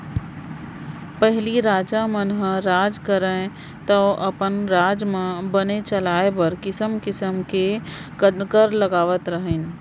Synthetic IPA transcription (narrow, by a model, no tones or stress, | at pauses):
pəɦliɾaːd͡ʒamənɦəɾaːd͡ʒkəɾẽ | t̪əʔɐpənɾaːd͡ʒmẽbənet͡ʃəlaːebəɾkɪsəmkɪsəmkekəkəɾləɡaːʋət̪ɾəɦən